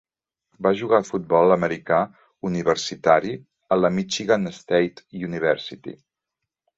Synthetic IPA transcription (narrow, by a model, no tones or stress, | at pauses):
baʒuɣafut̪̚bɔlˠəməɾika | uniβ̞əɾsit̪aɾi | ələmit͡ʃiɣanəst̪ejt̪uniβ̞ɛɾsit̪ḭ